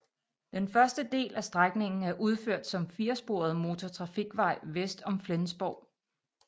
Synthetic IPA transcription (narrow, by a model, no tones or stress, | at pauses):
d̥enfɶɐsd̥əd̥e̝̰ːlʔæsd̥ʁaɡ̥ne̝ŋn̩æɐʔuð̞ˠføɐ̰d̥sɒ̽mfiːɐsb̥o̝̰ːɐð̞ˠmo̝ːt͡sʰɒt͡sʰʁɑ̈fiɡ̥ʋɑ̈ɪ̰ʋesd̥ɒ̽mflensb̥ɒʊ̰